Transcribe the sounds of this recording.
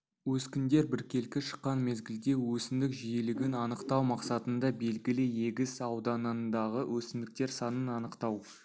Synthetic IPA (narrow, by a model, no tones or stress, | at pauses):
wɵskʲɪnd̪e̞ɾbɪɾkʲe̞lkʲɪʃə̥qːɑnme̞zɡʲɪld̪e̞wɵsɪmd̪ɪkʒijɪlɪɡʲɪnɑnəqt̪ɑwmɑqsɑt̪ənd̪ɑbe̞lɡʲɪlɪje̞ɡʲɪsɑwd̪ɑnəd̪ɑʁəwʔɵsɪnd̪ɪk̚t̪e̞ɾsɑnənɑnəqt̪ɑw